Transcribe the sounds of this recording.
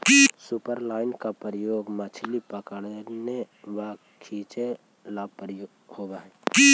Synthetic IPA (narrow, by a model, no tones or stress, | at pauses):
supəɾlaːɪnkapɾəjoːɡmət͡ʃʰlipəkəɽne | ʋa | kʰiːt͡ʃe | laːbpɾjo | hoːbaɦɛ